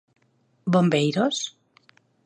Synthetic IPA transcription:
bombejɾos

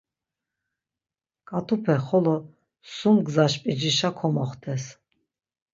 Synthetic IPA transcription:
kʼat̪ʰupʰɛχɔlɔ | sumɡzaʃpʼid͡ʒiʃakʰɔmɔχt̪ʰɛs

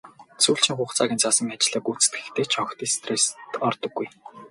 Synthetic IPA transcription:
t͡suːɬt͡ɕĭŋχʊːχt͡sʰaːɣʲiːnt͡sʰasɞ̆ŋat͡ɕ̆ɮaːkut͡sɘ̥̆t̪ɡɘ̥̆xt̪ʰeːt͡ɕʰɔxt̪iːst̪rest̪ɔrt̪ɞ̆ɡːuj

